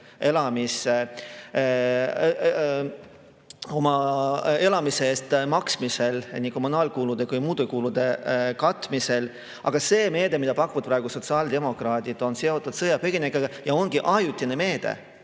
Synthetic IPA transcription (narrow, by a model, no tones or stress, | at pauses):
e̞lɑmise | o̞mɑe̞lɑmiseeːst̪mɑksmise̞lnʲiko̞munɑːlkuːlud̪̥e̞kujmuːd̪ukuːlud̪̥e̞kɑt̪ˑːmise̞l | ɑ̰ɡ̥ɑse̞ːme̞ːd̪e̞mid̪ɑpɑkːuvɑd̪̚prɑeɡ̥uso̞t̪sɑːld̪̥e̞mo̞krɑːd̪̥ʲid̪̥o̞nse̞o̞t̪ːˑud̪̥sɤjɑpeɡ̥inekɑjɑo̞nɡ̥iʔɑjut̪ʲːˑineme̞ːd̪̥ḛ